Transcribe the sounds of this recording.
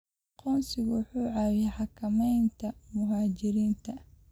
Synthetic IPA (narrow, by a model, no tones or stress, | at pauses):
qɔːnsɪɣʊwħuːʕɑːwɛħɑkʰɐmɛjnt̪ʰɐmʊɦaːt͡ʃɪɾiːnt̪ʰɐ